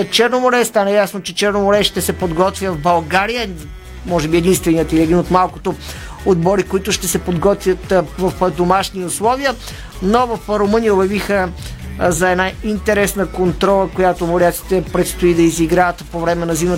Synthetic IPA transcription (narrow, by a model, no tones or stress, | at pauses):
t͡ʃɛɾnomoɾɛst̪anɐjasnot͡ʃɛt͡ʃɛɾnomoɾɛʃt̪ɛsɛpod̪ɡɔt̪vʲjəvbɐlˠɡaɾijə | mɔʒɛbiɛd̪inst̪vɛniət̪ilʲiɛd̪inot̪malˠko̥t̪o | od̪bɔɾikoit̪ʊʃt̪ɛsɛpod̪ɡɔt̪vʲjət̪vɐfd̪omaʃniʊslˠɔviə | novɐfɾomɤnijəobʲjɐvixə | zɐɛd̪naint̪ɛɾɛsnəkont̪ɾɔlˠəkojat̪omoɾʲiat̪si̥t̪ɛpɾɛt̪st̪oid̪ɐiziɡɾaət̪povɾɛmɛnɐzimə